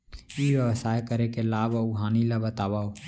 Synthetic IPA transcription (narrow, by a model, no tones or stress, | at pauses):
iʋjəʋsaːjkəɾekelaːbuɦaːnilabət̪aːwao